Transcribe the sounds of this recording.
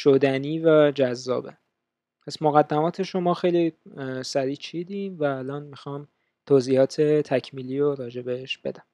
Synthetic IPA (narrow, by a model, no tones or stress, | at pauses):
ʃod̪æniːvæd͡ʒæzːɒ̰ːbḛ | pʰæsmoɣæd̪ːæmɒːt̪ʰe̞ʃo̞mɒːxe̞jlisæɾiːt͡ʃʰiːd̪invæːlɒːnmixɒːm | t̪ʰoːziːhɒːt̪ʰet̪ʰæcʰmiːliːoɾɒːd͡ʒe̞beeʃb̥e̞̰d̪æm